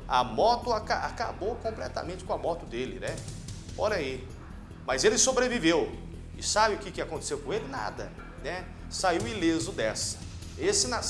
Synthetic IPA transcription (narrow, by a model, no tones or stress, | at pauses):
ɐ̰mɔt̪ʊakaa̰ka̰bowkõmplɛt̪ɐ̰mẽnt͡ʃɪ̥kõamɔt̪ʊd̪elɪ̰nɛɔɾɐi | mɐzelɪsobɾevivew | ɪsabɪʊkɪkɪakõnt̪e̥sewkõelɪna̰d̪ɐ̰ | nɛ | saiwɪlezʊd̪ɛsɐ̥ | esɪna